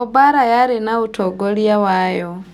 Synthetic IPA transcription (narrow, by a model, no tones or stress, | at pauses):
ubaɾajaɾinautʰoɡoljawajo